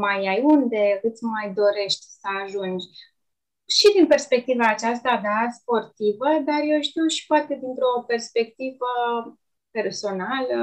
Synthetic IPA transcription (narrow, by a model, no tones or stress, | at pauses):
majajund̪e̞kɨt̪sʲmajd̪o̞ɾe̞ʃt̪ʲsəaʒund͡ʒ | ʃid̪inpe̞rspe̞k̚t̪ivaːt͡ʃast̪ad̪aspo̞rt̪ivəd̪arje̞wʃt̪iwʃi̥poat̪e̞d̪int̪ɾo̞pe̞rspe̞k̚t̪ivə | pe̞rso̞nalə